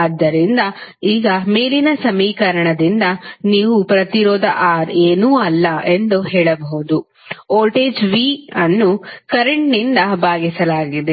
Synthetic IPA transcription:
ɐd̪ːɐɾind̪ɐiːɡɐmeːlinɐsɐmiːkɐɾɐɳɐd̪ind̪ɐniːʋupɾɐt̪iɾɔːd̪ɐʔaːɾeːnuːɐlːɐʔe̞nd̪uɦɛːɭɐbɐɦud̪u | oːlʈeːd͡ʒʋiɐnːukɐɾeɳʈnind̪ɐbaːɡisɐlaːɡid̪e

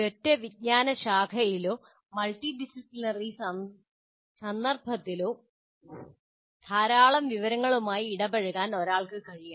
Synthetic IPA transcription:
otːeʋid̚ɲaːnɐɕaːkʰɐjiloː | mɐlʈiɖisiplinɐriɐ | sɐnd̪ɐrbʱɐt̪ːiloː | t̪ʰaːɾaːɭɐmʋiʋɐɾɐŋːɐɭumaːjiːɽɐbɐɻuɣaːno̞ɾaːɭkɨkɐɻijaː

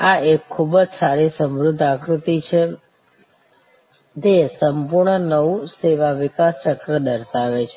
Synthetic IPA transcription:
aekʰːubəd͡ʒsaɾisəmɾud̪ʱːakɾut̪it͡ʃʰe | d͡ʒ̪esəmpuɾɳənəʋũseʋaʋɪkast͡ʃəkɾəd̪əɾʃaʋet͡ʃʰe

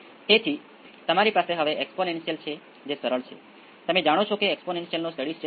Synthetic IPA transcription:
et̪ʰi | t̪əmaɾipaseɦəʋeʔɛksponensijəlt͡ʃʰe | d͡ʒesəɾəɭt͡ʃʰḛ | t̪əmed͡ʒaɽ̃ot͡ʃʰokeɛksponensijəlnosʈəɽist͡ʃe

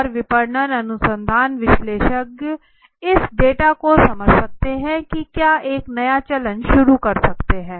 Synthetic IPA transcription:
ɔɾʋɪpəɾɳəɾənʊsə̃nd̪ʱaːnʋɪʃleːʃək | ɪsɖeːʈaːkosɐməd͡ʒsɐk̚t̪eɦɛ̃kikjaːʔeːknɐjaːt͡ʃələ̃nd͡ʒʃʊɾukəɾsɐkt̪eɦɛ̃ː

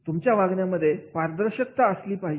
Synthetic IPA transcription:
t̪umt͡ɕjaʋaɡɳjaməd̪ʱːjepaɾd̪əɾɕək̚t̪aəsliːpaɦi

